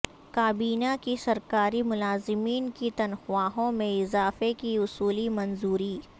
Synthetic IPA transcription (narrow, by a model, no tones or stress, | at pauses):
kaːbiːnakisɐɾkaːɾimʊlaːzɪmiːnkit̪ɐnxʊaːɦõmẽɪzaːfekiʊsuːlimɐnzuːɾiː